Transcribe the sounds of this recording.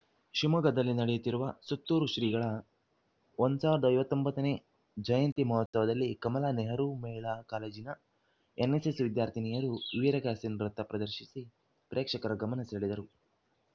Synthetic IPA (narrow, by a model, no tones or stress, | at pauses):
ʃimuɡɐd̪ɐlːinɐɽɛjut̪ːiɾuʋɐsut̪ːuːɾuʃɾiːɡɐɭɐ | ond̪saːʋɐɾɐd̪ɐjʋɐt̪ːombɐt̪ːɐne̞ː | d͡ʒɐjɐnt̪imɐɦɔt̪sɐʋɐd̪ɐlːikɐmɐlaːneɦɐɾumɛːiɭaːkaːleːd͡ʒinɐ | enesesʋid̪jaːɾt̪ʰinijɐɾuʋiɾɐɡaːsinɾɐt̪ːɐpɾɐd̪ɐɾʃisi | pɾʔeːkʂɐkɐɾɐɡɐmɐnɐseːɭid̪ɐɾu